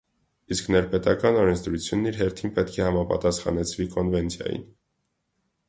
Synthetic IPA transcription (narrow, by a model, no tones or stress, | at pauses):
isknɛɾpɛt̪ɑkɑnɔɾɛnt͡sʰd̪ɾut͡sʰjunːiɾɦɛɾt̪ʰinpɛt̪kʰɛhɑmɑpɑ̰t̪ɑsχɑ̰nɛt͡sʰvikɔnvɛnt͡sʰjɑ̰jḭn